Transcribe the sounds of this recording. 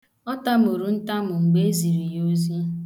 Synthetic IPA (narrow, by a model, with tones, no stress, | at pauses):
ɔ˦ta˦m˨o˨ɾu˨n̩˦ta˦mʊ˨ŋ͡m̩˨ɡ͡be˦zi˨ɾi˨jo˦zi˦